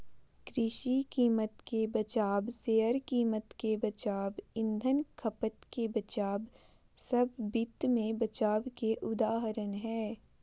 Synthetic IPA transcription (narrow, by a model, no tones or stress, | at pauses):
kɾɪʃikiːmət̪kebɐt͡ʃaːbseːəɾkiːmət̪kebɐt͡ʃaːbɪ̃nd̪ʱənkʰəpət̪kebɐt͡ʃaːb | sɐbːɪt̪mẽbɐt͡ʃaːbkeʔʊd̪aːɦəɾənɦɛː